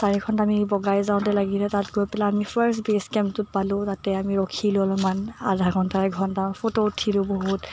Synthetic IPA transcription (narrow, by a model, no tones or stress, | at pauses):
saɹikʰɔntamibɔɡajzãʊ̃tɛlaɡilɛtatɡojpɛlaːmipʰaɹsbeskɛmptʊt̚palʊ̃tatɛamiɹɔkʰilʊlɔmanadʱakʰɔntaɹɛɡʱɔntafʰototʰilʊboɦut